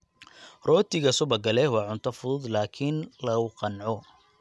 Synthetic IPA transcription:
rɔːt̪ʰɪɣɐsʊβɐɡɐlɛhwɑːʕʊnt̪ʰɐfʊðʊd̪laːkʰɪnlɐʊqɑnʕɔ

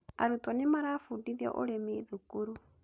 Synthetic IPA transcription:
a̰ɾutɔnimaɾafudiðjɔ̰ʔɔɾɛmiðukuɾu

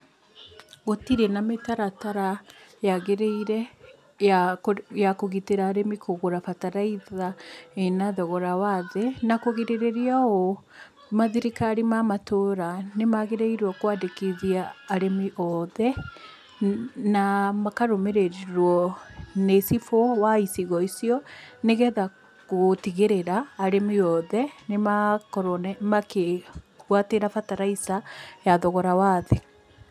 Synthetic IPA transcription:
ɣotiɾɛnametaɾataɾajaɣeɾeiɾɛ | kojakoɣiteɾaːɾemikʰoɣoɾafataɾaiðaenaðɔɣɔɾawaðɛnakoɣeɾeɾeɾiaɔ | maðiɾikaɾimamatoɾanemaɣeɾeiɾwɔkwadekiðiaːɾemiʔɔðɛ | namakaɾomeɾeɾiɾwɔnesifɔwaisiɣɔisiɔneɣɛða | ɣotiɣeɾeɾaːɾemiɔðɛnemakɔɾɔnɛmake | ɣwateɾafataɾaisajaðɔɣɔɾawaðe

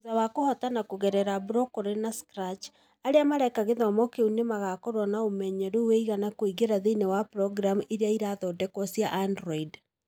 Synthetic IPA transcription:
zawakohɔtanakoɣɛɾɛɾabɾɔkɔɾenaskɾat͡ʃ | aɾeamaɾɛkaɣeðɔmɔkeunemaɣakɔɾwɔnaomɛɲɛɾoweiɣanakoiɣeɾaðeinewapɾɔɡɾamuʔeɾeaiɾaðɔdɛkɔsijaʔandɾɔid

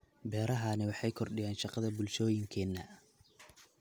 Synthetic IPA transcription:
bɛːɾɐɦɐnɪwɑħɑjkʰɔrɖɪjaːnʃɑqɑðɐbʊlʃɔːjɪŋkʰɛːnːɐ

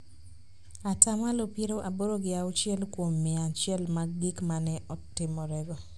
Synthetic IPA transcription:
atamalopiɾoʔaboɾoɡɪaʊt͡ʃjɛlkwomːɪat͡ʃɛlmaɡɪkmanɛʔɔtɪmɔɾɛɡɔ

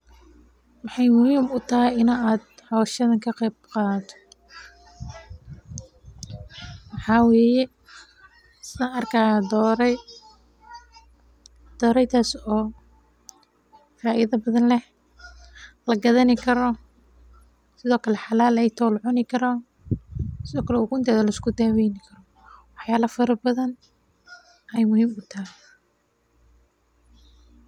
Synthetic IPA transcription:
wɑħɑjmʊhiːmʊt̪ʰɐɦɛjɪnɐaːd̪̚hɔːʃɐðɐŋkʰɐqɛbqɑːt̪ʰɔ̥ | wɑħɑːwɛːjɛ | ɪsnɐʔɐrkʰaːjd̪ɔːɾɛj | d̪̥ɔːɾɛjt̪ʰaːsɔː | faːʔɪðɐbɐðɐnlɛh | lɐɡɐðɐnɪkʰɐɾɔ | sɪðɔːkʰɐlɛħɑlaːlɛjt̪ʰɔːlʕʊnɪkʰɐɾɔ | sɪðɔːkʰɐlɛʊɣʊɪnt̪ʰɛːðɐlɐɪskʰʊd̪aːwɛjnɪkʰɐɾɔ | wɑħjaːlɐfɐɾɐbɐðɐn | ʔɛjmʊhiːmʊt̪ʰaɦɪ

